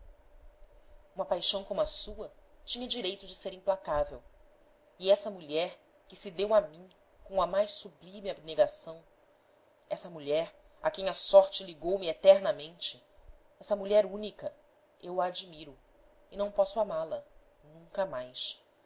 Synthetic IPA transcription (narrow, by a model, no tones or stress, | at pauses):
ũmɐpajʃɐ̃w̃kõmʊɐsuɐt͡ʃĩɲɐd͡ʒiɾejt̪ʊd͡ʒɪseɾĩmplakavew | ɪɛsɐmuʎɛɾ | kɪsɪd̪ewamĩ | kõw̃ɐmajʃsublimɪabneɡasɐ̃w̃ | ɛsɐmuʎɛɾ | a̰kẽj̃ɐsɔɾt͡ʃɪliɡowmɪet̪ɛɾnɐmẽnt͡ʃɪ | ɛsɐmuʎɛɾũnikɐ | ewɐːd͡ʒimiɾʊ | ɪnɐ̃w̃pɔsʊamalɐ | nũŋkɐmajʃ